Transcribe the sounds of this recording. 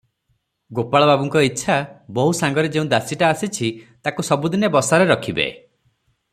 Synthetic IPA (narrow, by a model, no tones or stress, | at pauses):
ɡopaɭɔbabuŋkɔitːʃʰabɔɦusaŋɡɔɾed͡ʒeũd̪asiʈaːsit͡ʃʰit̪akusɔbud̪inebɔsaɾeɾɔkʰibḛ